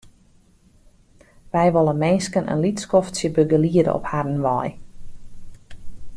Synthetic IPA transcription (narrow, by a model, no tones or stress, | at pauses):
ʋɛjʋɔlˠəmɛnskənʔə̰nlitskɔftsjəbøɡəliədə̰ʔɔ̰phadən̩ʋɔj